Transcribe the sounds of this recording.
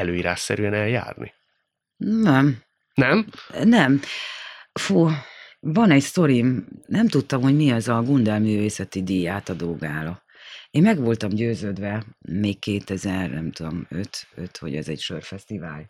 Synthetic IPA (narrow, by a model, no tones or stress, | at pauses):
ɛløːiɾaːʃsɛ̰ɾyɛnɛlja̰ːrnḭ | nɛm | nɛmnɛm | fuːvɒnɛcst̪o̞ɾimnɛmt̪ut̪ːɒmho̞ɟmiɒzɒɡund̪ɛlmyːveːsɛt̪id̪iːjaːt̪ɒd̪oːɡaːlɒ | eːmmɛɡʋo̞lt̪ɒmɟøːzøːd̪ʋɛmeːkkeːt̪ɛzɛrnɛ̰mt̪ud̪o̞̰mø̰t̪ø̰t̪ʋɒ̰ɟɛ̰zɛ̰cʃørfɛst̪ivaːl